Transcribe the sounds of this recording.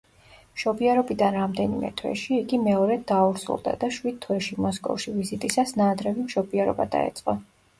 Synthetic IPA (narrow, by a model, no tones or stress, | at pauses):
mʃɔbiaɾɔbid̪anɾamd̪ɛnimɛ̰t̪ʰwɛ̰ʃiːɡimɛɔɾɛd̪dauɾsṵlˠd̪a̰d̪aʃwid̪̚t̪ʰwɛʃimɔskʼɔ̰fʃivizit̪ʼisasnaːd̪ɾɛvimʃɔbiɛɾɔ̰bad̪a̰ɛ̰t̪sʼqʼɔ